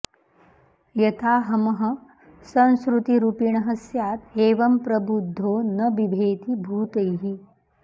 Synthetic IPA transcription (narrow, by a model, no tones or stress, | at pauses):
jɐt̪ʰaːɦɐmɐɦɐ̆ | sɐ̃ñskɾut̪iɾupiɳɐɦɐsjaːt̪eːʋɐmpɾɐbud̪ʱːoːnɐbibʱeːt̪ibʱuːt̪ɐjɦi